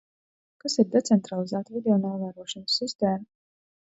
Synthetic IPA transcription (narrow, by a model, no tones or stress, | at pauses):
kasiɾd̪ɛt̪sɛnt̪ɾalˠizaːt̪vid̪eɔnaːvaɾuɔʃanəsːist̪eːma